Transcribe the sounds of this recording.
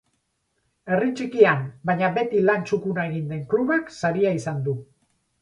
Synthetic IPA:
e̞rit͡ʃikiambajɲaβe̞t̪ilant͡ʃukunae̞ɣ̞ind̪e̞ŋkluβaksaɾiaisand̪u

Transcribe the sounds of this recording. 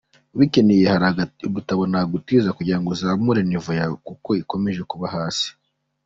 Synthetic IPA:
uβicenejehaɾauβutaβonaɡutiːzakuɟiɾaŋɡozaːmuɾenivujakuko̞iko̞me̞ʒe̞kuβaɦaːsi̥

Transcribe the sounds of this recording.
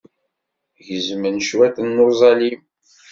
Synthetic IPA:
ʝəzmənʃwæθənːozˤɑlim

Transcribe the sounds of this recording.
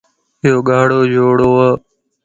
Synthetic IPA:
ɪjoːɠaːɽoːd͡ʒʱoːɽoːaː

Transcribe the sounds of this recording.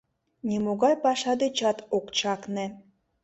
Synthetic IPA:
nimoɣɑjpɑʃɑd̪et͡ɕɑt̪okt͡ɕɑkne

